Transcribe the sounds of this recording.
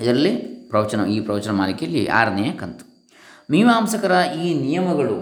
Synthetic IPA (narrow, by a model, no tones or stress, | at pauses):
ɐd̪ɐɾɐlːipɾɐʋɐt͡ʃɐnɐiːpɾɐʋɐt͡ʃɐnɐma̰ːlikijɐlːḭʔa̰ːɾnɛjɐkːɐnt̪u̥ | miːʋaːmsɐkɐɾɐʔiːnijɐmɐɡɐɭṵ